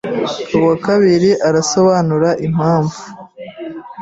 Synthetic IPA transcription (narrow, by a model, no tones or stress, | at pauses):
kuwakaβiɾiʔaɾaso̞βaːnuɾaʔim̥aːɱvu